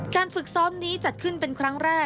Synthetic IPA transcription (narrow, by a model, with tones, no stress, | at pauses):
kaː˧nfɯ˨˩k̚sɔː˦˥mniː˦˥t͡ɕa˨˩t̪̚kʰɯ˥˩npe˧nkʰɾa˦˥ŋɾɛː˥˩